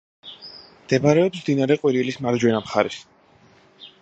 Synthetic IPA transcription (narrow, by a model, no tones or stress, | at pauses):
md̪̥ɛbaɾɛɔpsmd̪inaɾɛqʼwiɾilismaɾd͡ʒwɛnamχa̰ɾɛs